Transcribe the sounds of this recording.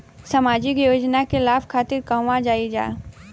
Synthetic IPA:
samaːd͡ʒɪkjoːd͡ʒnakɪlaːpkʰaːt̪ɪɾkəɦʋãd͡ʒaːid͡ʒa̰ː

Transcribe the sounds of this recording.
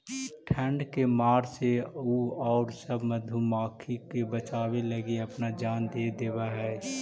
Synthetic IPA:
ʈʰə̃ɳɖkemaːɾseuɔːɾsəbməd̪ʱumaːkʰikebət͡ʃaːweləɡiɐpnad͡ʒaːnd̪eːd̪eːbaɦɛː

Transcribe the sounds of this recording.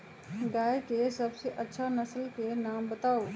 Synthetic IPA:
ɡaːjkesɐbseʔɐtːʃʰanɐslkenaːmbɐt̪aːoː

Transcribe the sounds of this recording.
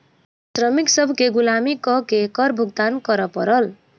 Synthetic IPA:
srʌmiksʌbʱkeɡulamikʌkekʌɾbʱuɡ̚d̪ankʌɾʌpʌɾʌl

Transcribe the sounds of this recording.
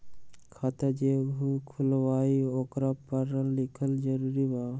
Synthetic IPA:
kʰat̪ad͡ʒebʱukʰulwajɔkɾapːaɾəlːikʰəld͡ʒəɾuɾiba

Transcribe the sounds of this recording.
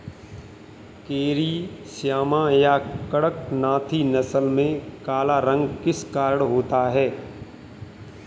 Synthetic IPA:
keːɾisjaːmãjakəɽək̚nãːt̪ʰinɐsəlmẽkaːlaɾə̃ŋɡkɪskaːɾəɽɦoːt̪aɦɛː

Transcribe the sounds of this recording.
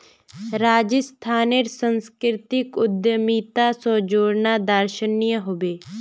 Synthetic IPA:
ɾaːd͡ʒəst̪ʰaːneɾsənskɾɪt̪ɪkʊd̪jəmiːt̪aːsɔːd͡ʒoːɽnaːd̪əɾʃənijəɦobeː

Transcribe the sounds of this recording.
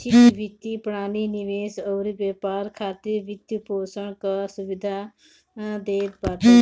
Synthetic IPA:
t͡ʃikʋit̪ːipɽ̃aːniniʋeːsɔːɾibeːpaːɾkʰaːt̪iɾʋit̪jupoːsəɳkasuʋid̪ʱa | d̪eːt̪̚baːt̪

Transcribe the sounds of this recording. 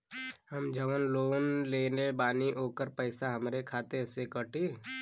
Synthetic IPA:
həmd͡ʒəʋənloːnleːnebaːniʔoːkəɾpəɪsaɦəmɾekʰaːt̪esekəʈʰi

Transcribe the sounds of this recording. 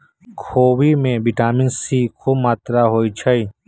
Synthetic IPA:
kʰoːwimẽbɪʈaːmɪnsikʰomaːt̪ɾaɦoːit͡ʃʰəi

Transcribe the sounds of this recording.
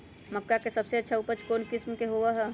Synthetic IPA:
məkːakesɐbseɐtːʃʰaupət͡ʃkoːnkɪsmkeɦoʋaɦɛː

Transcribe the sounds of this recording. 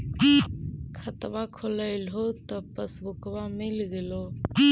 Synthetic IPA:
kʰət̪bakʰoləɪlɦot̪əpəsbʊkbamilɡelo

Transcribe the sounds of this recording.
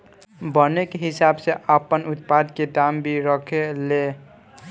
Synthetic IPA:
bənekeɦisabseʔəpənut̪pad̪ked̪ambʱiɾəkʰele

